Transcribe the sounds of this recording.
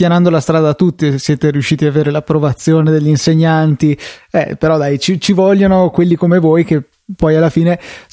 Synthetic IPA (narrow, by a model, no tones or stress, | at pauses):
janand̪olast̪ɾaːd̪at̪ːut̪ːisːjɛːt̪eɾiuʃːiːt̪iaveːɾelapːɾovat̪sːjoːned̪eʎːinseɲːant̪iɛpeɾɔd̪ajt͡ʃit͡ʃivɔʎːonokwelːikomevoːjk̟e | pːɔjalːafiːne